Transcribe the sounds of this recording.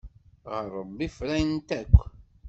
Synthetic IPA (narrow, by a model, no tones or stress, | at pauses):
ʁəɾˤːəbːifɾæjnt̪ækʷː